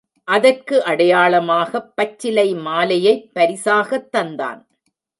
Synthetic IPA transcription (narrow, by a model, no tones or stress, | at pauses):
ʔɐðɐrkɯʔɐɽɐjaːɭɐmaːɣɐpːɐt͡ʃːɪlɐɪmaːlɐjɐɪpːɐɾɪsaːɣɐt̪ːɐnd̪a̰ːn